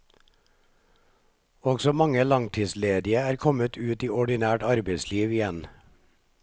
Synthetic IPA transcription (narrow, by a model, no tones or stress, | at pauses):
ɔɡsɔmɑŋəlɑŋt̪ʰiːsleːd̪ɪəæːɾkʰɔmət̪ʰʉːt̪iːɔɖɪnæːʈɑɾbəɪsliːʋɪjɛn